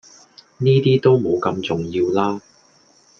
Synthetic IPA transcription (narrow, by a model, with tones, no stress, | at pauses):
niː˥t̪iː˥t̪o˥wmo˨˧wkɐ˧mt͡sʊ˨ŋjiː˧wlaː˥